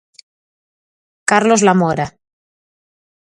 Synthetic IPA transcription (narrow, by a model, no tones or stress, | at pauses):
kaɾlozlamoɾa